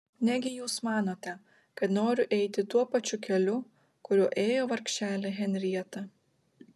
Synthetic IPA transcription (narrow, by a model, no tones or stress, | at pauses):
nʲɛɡʲɪjuːsmɑːnoːt̪ʲɛ | kɐt̪noːɾʲʊʔɛɪt̪ʲɪt̪uɔpɐt͡ʃʲʊkʲɛlʲʊ | kʊɾʲuɔʔeːjoːʋɐɾʲkʲʃʲt͡ʃʲæːlʲɛɣʲɛnʲɾʲiɛt̪ɐ